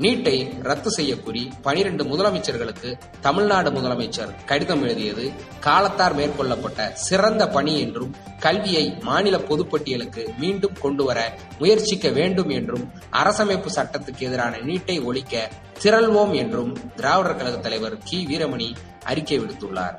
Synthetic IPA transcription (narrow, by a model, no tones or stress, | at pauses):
niːʈːɐɪɾɐt̪ːɯsɛjːɐkːuːripɐnɪɾɛɳɖɯmʊðɐlɐmɐɪt͡ʃːɐɾɣɐɭɯkːɯ | t̪ɐmɪɻnaːɽɯmʊðɐlɐmɐɪt͡ʃːɐɾkɐɽɪðɐmɛɻɯðɪjɐðɯ | kaːlɐt̪ːaːɾmeːrkɔɭːɐpːɐʈːɐsɪrɐnd̪ɐpɐɳiɛndrɯm | kɐlʋɪjɐɪmaːnɪlɐpɔðɯpːɐʈːɪjɐlɯkːɯmiːɳɖɯmkɔɳɖɯʋɐɾɐ | mʊjɐɾt͡ʃɪkːɐʋeːɳɖɯmɛndrɯm | ʔɐ̰ɾɐsɐmeːpːɯsɐʈːɐt̪ːɯkːɛðɪɾaːnɐniːʈːɐɪɔɭɪkːɐ | t̪ɪɾɐlʋoːmɛndrɯmd̪ɪɾaːʋɐɽɐɾkɐlɐɣɐt̪ːɐlɐɪʋɐɾkiːʋiːɾɐmɐɳi | ɐ̰ɾɪkːɐʋɪɽɯt̪ːɯɭːa̰ːɾ